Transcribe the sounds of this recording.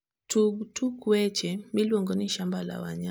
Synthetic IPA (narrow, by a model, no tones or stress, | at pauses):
tutukuɛt͡ʃɛmilwɔŋɡɔniʃambala̰wa̰ɲa